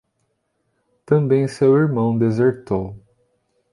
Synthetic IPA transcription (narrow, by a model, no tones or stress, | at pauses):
t̪ɐ̃mbẽj̃sewiɾmɐ̃w̃d̪ezeɾt̪ow